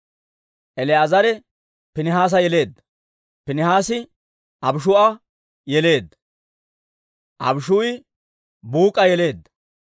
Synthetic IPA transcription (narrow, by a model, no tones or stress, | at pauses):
ʔɛlɛɐzɐɾɛ | pɪnɪɦaːs̬ɐjɛle̞ːd̪ːɐ | pɪnɪhaːsɪ | ʔɐbʃ̬ʊɐ | jɛle̞ːd̪ːɐ | ʔɐ̰bʃʊjɪ | buːkʼɐjɛle̞ːd̪ːɐ